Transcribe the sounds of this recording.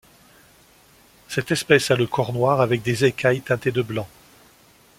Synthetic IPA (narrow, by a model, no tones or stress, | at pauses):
sɛt̪ɛspɛsaləkʰɔʁnwaʁavɛk̚d̪ezekʲʰajt̪ɛ̃t̪ed̪əblɑ̃